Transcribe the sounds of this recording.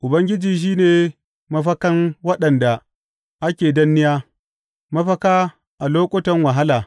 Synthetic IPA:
ʔʊ˨bɐ˦ŋɡʲɪ˦d͡ʒiː˨ʃ̬iː˦neː˨ | mɐ˦ɸɐ˦kɐ˦nwɐ˦ɗɐ˨nda˨ | ʔa˦kʲeː˨dɐ˦nːɪ˦jaː˦ | mɐ˦ɸɐ˦kaː˦ | ʔa˨loː˦kʷʼʊ˦tɐ˦ŋwa˨ɦa˦laː˨

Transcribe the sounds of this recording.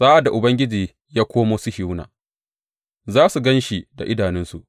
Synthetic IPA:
saː˦ʔa˨da˨ʔʊ˨bɐ˦ŋɡʲɪ˦d͡ʒiː˨ | jaː˦kʷʰoː˦moː˦su˦hi˦wna̰ː˨ | zaː˦su˨ɡɐ˦nʃi˨da̰˨ʔɪ˦daː˨nɪ˦nsu˨ʔ

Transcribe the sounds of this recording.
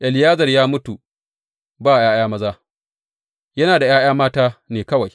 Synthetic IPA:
ʔɛ˨lɪ˨jaː˦zɐ˨rjaː˦mʊ˦tu˨ | baː˦˨j̰aː˦j̰aː˦mɐ˦zaː˦ | jɐ˦naː˨da˨j̰aː˦jaː˦maː˦taː˦neː˨kɐ˦wa˨j

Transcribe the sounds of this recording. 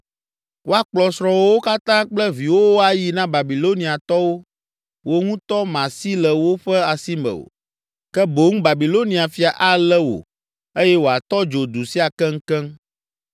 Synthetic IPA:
wo˦a˨k͡plɔ˨sɾɔ̃˨wo˦wo˦ka˦t̪ã˦k͡plɛ˦vi˨wo˦wo˦a˨ji˨nã˦ba˨bi˨lo˦nĩ˨a˨t̪ɔ˦wo˦ | wo˦ŋũ˦t̪ɔ˦mã˨si˦lɛ˨wo˦ɸɛ˦a˨si˦mɛ̰̃˨o̰˨ | kɛ˦bo˨ŋũ˦ba˨bi˨lo˦nĩ˨a˨fi˨a˨ʔa˦lɛ˦wo̰˨ | e˦jɛ˦wo˨a˨t̪ɔ˦d͡ʒo˨d̪u˨si˦a˨kɛ˦ŋ̩˦kɛ˦m

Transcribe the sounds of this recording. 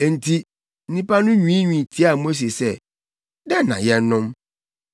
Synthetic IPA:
e˨n̩˨tʰi˦ | n̩˦nĩ˦pa˦nʊ̃˦ɲĩ˨˦i˦ɲᶣĩ˨tʰi˦a˦˨mo˦s̬e˨sɛ˦ | dɛ˦nã̰˨jɛ˦n̩˦nʊ̃˦m

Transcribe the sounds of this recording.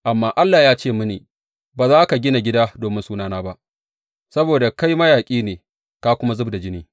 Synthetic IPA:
ʔa˨mːaː˦ʔa˦lːaː˨jaː˦t͡ʃeː˦˨mʊ˦nḛː˨ | baː˨zaː˦ka˨ɡʲɪ˦na˨ɡʲɪ˦daː˦doː˨mɪ˦nsuː˦naː˦naː˦ba˦ʔ | sɐ˦boː˨da˨ka˦jmɐ˦jaː˨kʲʼiː˦neː˨ | kaː˦kʷʊ˦ma˦zʊ˦bda˨d͡ʒɪ˦niː˦

